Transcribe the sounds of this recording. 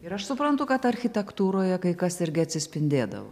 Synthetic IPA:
ɪɾɐʃsʊpɾɐnt̪ʊkɐt̪ɐɾʲxʲɪt̪ʲɛkt̪uːɾoːjɛkɐɪkɐsɪɾʲɡʲɪɐt̪ʲsʲɪsʲpʲɪnʲd̪ʲeːd̪ɐ̰ʋo̰

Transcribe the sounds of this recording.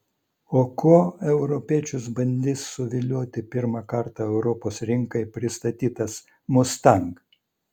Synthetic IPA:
oːkʰuɔɛʊɾɔpʲiɛt͡ʃʲʊsbɐnʲd̪ʲiːsːʊʋʲɪlʲuːt̪ʲɪpʲɪɾmɑkɐɾt̪ɑɛʊɾɔpoːsɾʲɪŋkɐɪpʲɾʲɪst̪ɐt̪ʲiːt̪ɐs | mʊst̪ɐŋk

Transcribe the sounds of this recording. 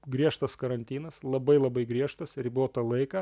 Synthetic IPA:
ɡɾʲiɛʃt̪ɐskɐɾɐnʲt̪ʲiːnɐslˠɐbɐɪlˠɐbɐɪɡɾʲiɛʃt̪ɐsɾʲboːt̪ɐlˠɐɪkɐː

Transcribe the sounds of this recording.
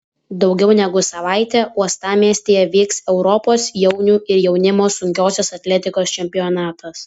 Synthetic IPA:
d̪ɒʊɡʲɛʊnʲɛɡʊsɐʋɑˑɪt̪ʲɛːuɔst̪ɑːmʲiɛsʲt̪ʲeːjɛʋʲiːksɛʊɾɔpoːsjɛʊnʲuːɪɾjɛʊnʲɪmoːsʊŋʲkʲoːsʲɛsɐt̪ʲlʲɛt̪ʲɪkoːst͡ʃʲɛmʲpʲɪɔnɑːt̪ɐs

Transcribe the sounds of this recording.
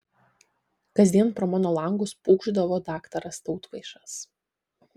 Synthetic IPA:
kɐzʲd̪ʲiɛnpɾɔmɑnoːlˠɐŋɡʊspuːɡʒd̪ɐʋoːd̪ɑːkt̪ɐɾɐst̪ɐʊt̪ʋɐɪʃɐs

